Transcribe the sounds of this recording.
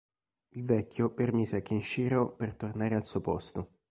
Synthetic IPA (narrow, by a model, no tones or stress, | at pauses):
ilvɛkʲːjopermiːzeakːenʃiːɾopert̪ornaːɾealsuːopɔst̪o